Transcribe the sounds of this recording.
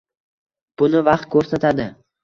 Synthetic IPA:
b̥ʊnɪvɑqt̪̚kʰɵɾsat̪ʰad̪ɪ

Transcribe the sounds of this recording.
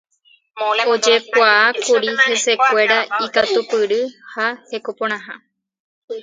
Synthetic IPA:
od͡ʒe̞kʷaːkuɾihe̞se̞kʷe̞ɾaikat̪upɨɾɨhahe̞kopõɽ̃ãɦã

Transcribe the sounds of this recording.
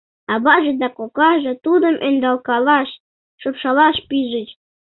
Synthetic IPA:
ɑβɑʒĕd̪ɑkokɑʒɤ̆t̪ud̪ə̆mʔend̪ɑlkɑlɑʃ | ʃopʃɑlɑʃpiʒət͡ɕ

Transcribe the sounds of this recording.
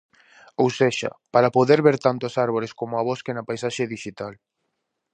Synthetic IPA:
owseʃɐ̰paɾɐpoðeɾβeɾt̪ant̪ʊasaɾβoɾeskomʊɐβoskenɐpajsaʃeðiʃit̪al

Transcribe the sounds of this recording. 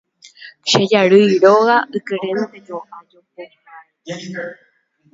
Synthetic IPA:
ʃed͡ʒaɾɨjɾoɣaʔɨkɨɾẽnt̪ed͡ʒoʔad͡ʒope

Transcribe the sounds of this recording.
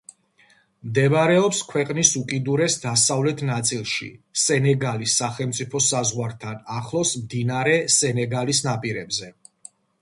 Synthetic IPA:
md̪ɛbɾɛɔpskʰwɛqʼnisukʼid̪uɾɛsd̪asavlɛt̪ʰnat̪sʼilˠʃḭsɛnɛɡalisːaχɛlˠmt̪sʼipʰɔsazʁwaɾt̪ʰanaχlˠɔsmd̪inaɾɛsɛnɛɡalisnapʼiɾɛbzɛ

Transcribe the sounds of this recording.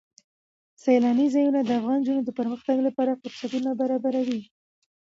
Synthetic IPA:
salɑnizɑjunad̪əafɣɑnd͡ʒunod̪əpəɾməxt̪aɡlapɑɾafʊɾsat̪unabaɾɑbaɾawi

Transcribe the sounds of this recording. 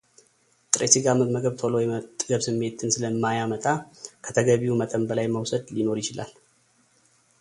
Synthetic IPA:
t̪ʼɾesɨɡaməməɡəβt̪ʰolo̞jɛt̪ʼɡəβsɨmːe̞t̪ʰɨnsɨləmːajamət̪ʼakʰət̪ʰəɡəβiumət̪ʼəmbəlajməwsəd̪lino̞ɾjɪt͡ʃɪla̰l

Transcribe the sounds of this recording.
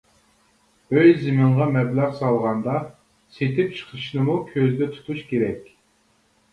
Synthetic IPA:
øjzɪmɨɴʁɑmɛblæqsɑlˠʁɑnd̪ɑ | set̪ʰɪp̚t͡ʃʰə̥qʰəʃnɨmukʲʰøzd̪ɛt̪ʰu̥t̪ʰut͡ʃkʲʰeɾɛkʲ

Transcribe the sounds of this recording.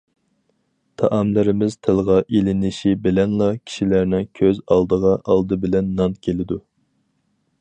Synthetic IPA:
t̪ʰɑʔɑmlɪɾɪmɪz̥t̪ʰɪlˠʁɑʔelɪnɪʃibɪlɛnlˠɑkʲʰi̥ʃilæɾnɪŋkʲʰøzɑlˠd̪əʁɑʔɑlˠd̪ɨbɪlɛnːɑnkʲʰelɪd̪u

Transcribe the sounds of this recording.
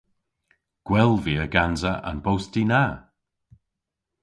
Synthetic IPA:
ɡ̥wɛlˠviːəɡanzəʔa̰nbowstina

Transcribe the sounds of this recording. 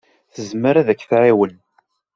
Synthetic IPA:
θəzməɾæðækːθɾiwən

